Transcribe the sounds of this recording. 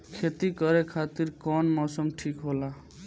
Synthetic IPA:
kʰet̪ikəɾekʰat̪iɾkɔnmɔsəmʈʰikɦola

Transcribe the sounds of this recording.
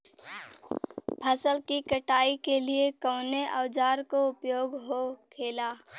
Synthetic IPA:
pʰəsəlkikəʈaːikeliekəːneʔa̰ːd͡ʒaːɾkoʊpjoːɡɦokʰeːlaː

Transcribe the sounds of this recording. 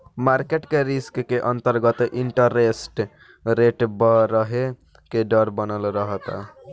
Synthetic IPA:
maɾkeʈkeɾiskkeʔʌnt̪əɾɡət̪iɳʈəɾesʈ | ɾeʈbəɾəɦe | keɖəɾbənəlɾəɦət̪a̰

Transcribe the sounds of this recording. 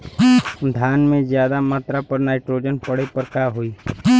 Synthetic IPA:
d̪ʱjaːnmẽzjaːd̪amaːt̪ɾapəɾnaːɪʈɾoːd͡ʒənpɐɽ̤epəɾkaːɦʊiː

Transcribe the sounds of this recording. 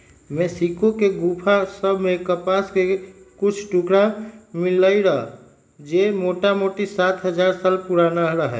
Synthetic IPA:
mesikokeɡupʰasəbʱmekəpaskekut͡ʃʰʈukɾãmiləjɾəɦ | d͡ʒemoʈamoʈisat̪ʰɦəd͡ʒaɾsalpuɾanaɾəɦɛ̰

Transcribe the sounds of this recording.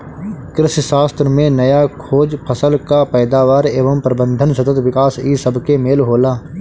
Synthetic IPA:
kɾɪʃʃaːst̪ɾəmẽnɐjakʰoːd͡ʒpʰəsəlkapɛːd̪aːʋaːɾeːʋəmpɾəbə̃nd̪ʱənsɐt̪ət̪ʋɪkaːsiːsəbʱkemeːlɦoːlaː

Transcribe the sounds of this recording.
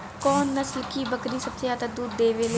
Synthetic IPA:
kɔːnːəsəlkiːbəkɾiːsəbsɪjaːt̪əd̪uːd̪d̪eːʋeːle

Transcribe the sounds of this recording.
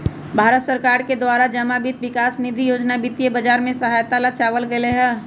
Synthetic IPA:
bʱaːɾət̪səɾkaːɾked̪waːɾad͡ʒɐmabit̪ʋɪkaːsnɪd̪ʱijoːd͡ʒnabɪt̪ijebəd͡ʒaːɾmẽsɐɦaːjt̪alat͡ʃaːʋəlɡɐleɦɛː

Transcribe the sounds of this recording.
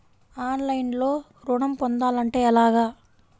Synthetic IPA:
aːnlɐjnloː | ɾuɳɐmpond̪aːlɐɳʈeːɛlaːɡaː

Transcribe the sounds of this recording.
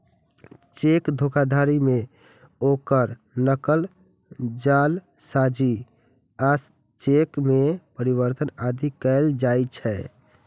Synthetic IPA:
t͡ʃekd̪ʱokʰad̪ʱaɾime | okəɾ | nəkəl | d͡ʒal | sad͡ʒi | as | t͡ʃekmepəɾiβəɾt̪ənad̪ʱikɛld͡ʒajt͡ʃʰɛ

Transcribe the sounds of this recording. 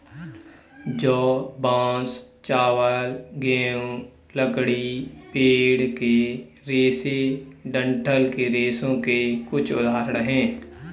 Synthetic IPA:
d͡ʒoːbãːs | t͡ʃaːʋəlɡeõ | ləɡɽipeːɽke | ɾeːseɖə̃ɳʈʰəlkeɾeːsõkekʊt͡ʃʰʊd̪aːɾəɽɦɛ̃ː

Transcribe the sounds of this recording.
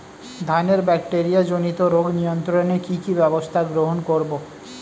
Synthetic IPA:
d̪ʱaneɾbɛkʈeɾijad͡ʑonit̪oɾoɡnijont̪ɾonekikibɛbost̪ʰaɡɾoɦonkoɾbo

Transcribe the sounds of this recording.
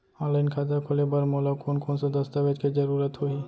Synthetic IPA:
ɔːlaɪnkʰaːzakʰoːlebɐɾmɔːlakoːnkoːnsad̪ɐst̪aʋed͡ʒkid͡ʒɐɾuːɾət̪ɦoi

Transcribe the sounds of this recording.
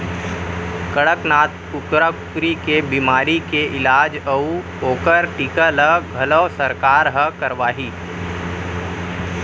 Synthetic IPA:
kəɽəknaːt̪kʊkɾakʊkɾikebiːmaːɾikeʔɪlaːd͡ʒəu | oːkəɾʈiːkələɡʱɐləːsəɾkaːɾɦəkɐɾʋaːɦiː

